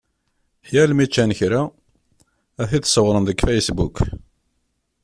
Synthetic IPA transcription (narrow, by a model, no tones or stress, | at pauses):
ħjælmit͡ʃːænçɾa | æθiðsəwɾˤənðəkfæjəsbukː